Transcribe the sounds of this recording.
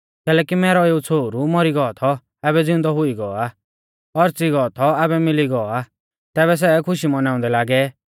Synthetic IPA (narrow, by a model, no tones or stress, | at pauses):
kɛːlɛːkimɛːɾɔeːut͡sʰoːuɾumɔɾiɡɔɔt̪ʰɔ | ɛbɛd͡zɪ̃nd̪ɔɦʊiɡɔɔa | ɔɾt͡siɡɔːt̪ʰɔɛbɛmɪliɡɔɔa | t̪ɛːβɛs̬ɛːkʰʊʃimɔnaːʊ̃nd̪ɛlaːɡɛ